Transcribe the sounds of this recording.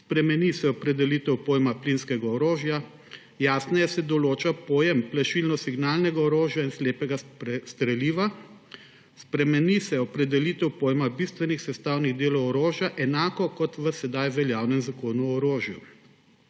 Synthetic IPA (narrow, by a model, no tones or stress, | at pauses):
spɾɛmɛnisɛɔpɾɛd̪ɛlit̪ɛwpoːjmaplinskɛɡaɔɾoːʒja | jaːsnɛjɛsɛd̪ɔloːt͡ʃapoːjɛmplaʃilnɔsiɡnaːlnɛɡaɔɾoːʒjainsleːpɛɡast̪ɾɛliːʋa | spɾɛmɛnisɛɔpɾɛd̪ɛlit̪ɛwpoːjmabist̪ʋɛnixsɛst̪aːwniɣd̪eːlɔwɔɾoːʒjaʔɛnaːkɔkɔt̪ʋəsɛd̪ajʋɛljawnɛmzakoːnuɔɾoːʒju